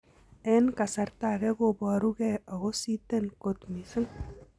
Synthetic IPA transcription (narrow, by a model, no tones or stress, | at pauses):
enkasaɾt̪aɣeɣobaɾuɣeaɣosit̪enkot̪misən